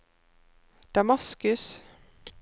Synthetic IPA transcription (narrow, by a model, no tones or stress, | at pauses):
d̪̥ɑmɑskʉs